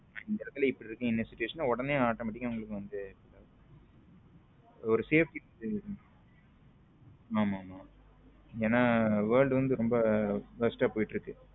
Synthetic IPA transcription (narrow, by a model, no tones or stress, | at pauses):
maɪnd̪ɐɛlɐt̪ːɪlɐɪpːɐɽɪɾɯkːɐ̃ɪnːɐsɪt͡ʃːʊʋeːʂɐnaːɔɽɐneːaːʈːɐmɐʈ̬ːɪkːɐʊŋɡɐɭɯkːɯʋɐnd̪ɯpɐlːa | ɔɾɯseːfʈɐd̪ɯ | aːmaːmaː | eːnːaːʋɐːɾɭɖɯʋɐnd̪ɯɾɔmbɐbɐsʈɐpoːjɪʈːɾɯkːɯ